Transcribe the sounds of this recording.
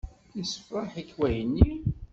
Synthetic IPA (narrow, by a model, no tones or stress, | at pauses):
isfaħikːwæjənːi